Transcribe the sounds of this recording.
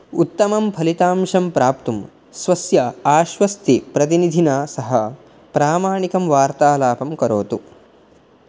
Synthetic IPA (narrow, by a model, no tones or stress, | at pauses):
ut̪ːɐmɐmpʰɐlit̪aːmʂɐmpɾaːp̚t̪um | sʋɐsjɐaːʃʋɐst̪ipɾɐt̪inid̪ʱinaːsɐɦɐ | pɾaːmaːɳikɐmʋaːɾt̪aːlaːpɐmkɐɾoːt̪u